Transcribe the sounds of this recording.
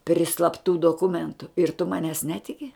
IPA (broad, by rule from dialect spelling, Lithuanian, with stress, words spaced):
pʲrʲɪ slˠɐpˈtuː doːˈkʊmʲɛntʊ ɪr tʊ ˈmɑːnʲɛs ˈnʲæːtʲɪkʲɪ